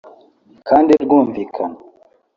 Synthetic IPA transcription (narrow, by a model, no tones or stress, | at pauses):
kʰandiɾɡumvikʰan